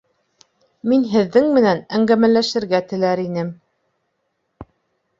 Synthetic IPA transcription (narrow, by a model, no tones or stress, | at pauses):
minɦɘ̆ðːɘŋmɘ̆nænæŋɡæmælæʃɘ̆ɾɡæt̪ɘ̆læɾinɘm